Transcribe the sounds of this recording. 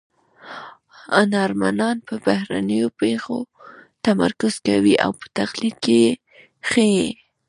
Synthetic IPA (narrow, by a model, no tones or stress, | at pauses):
anɑɾmanɑnpəbahɾanəjopexo | t̪ama̰ɾkʊz̥kawiʔa̰wpə̥t̪axlid̪̚keje | xəje